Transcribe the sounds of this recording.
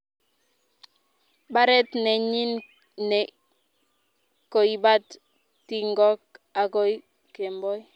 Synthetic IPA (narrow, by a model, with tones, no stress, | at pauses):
ba˦ɾɛ˦tne˨ɲi˦n | ne | ko˨i˨ba˦t | tːi˦˨ŋɡɔ˦k̚a˨ko˦j | ke˨mbɔ˦j